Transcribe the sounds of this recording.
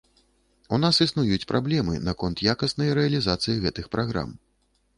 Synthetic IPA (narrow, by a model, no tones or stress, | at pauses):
unasisnujut͡sʲpɾʔablʲɛmɨ̰nakɔnt̪jakɐsnɐjɾɛɐlʲizat̪sɨjiɣɛt̪ɨxpɾaɣɾa̰m